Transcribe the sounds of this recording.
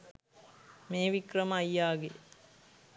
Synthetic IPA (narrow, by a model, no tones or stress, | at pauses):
meːʋikrɐməːjːaːɡe